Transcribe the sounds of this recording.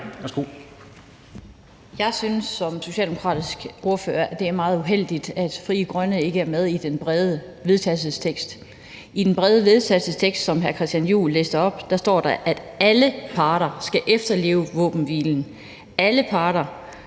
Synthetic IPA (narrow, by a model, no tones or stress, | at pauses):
æsɡ̥o̰ | jɑ̈ɪsynsːɒ̽mso̝ɕɛ̰ːld̥emo̝kʰʁɑ̰̈ːdisɡ̥ʔo̝ɐfø̰ːɐʔæd̥e̝æɐmɑ̈ːð̩ˠuɦel̰d̥id̥æd̥fʁiːəɡ̥ʁɶnəe̝ɡ̥əæɐmeð̞ˠid̥enb̥ʁɛðˠə | ʋe̝ð̞ˠt͡sʰæsəst͡sʰeɡ̥sd̥ | id̥enb̥ʁɛːð̞ˠəʋe̝ð̞ˠt͡sʰælsəst͡sʰeɡ̥sd̥sɒ̽mɦæɐkʰʁɛsd̥jænjṵːlːḛːsd̥ɐɒ̽b̥d̥ɑ̈sd̥ɒ̰ːd̥ɑʔæd̥æləpʰɑ̈ːɾ̥ɐsɡ̥æʔefd̥ɐle̝̰ːʊʋɔ̰̽ːb̥n̩ʋḭːln̩ | æləpʰɑ̈ːɾ̥ɐ